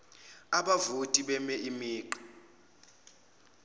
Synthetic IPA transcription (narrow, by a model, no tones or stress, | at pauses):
aɓavutʼiɓɛmɛʔimiːǃɔ̥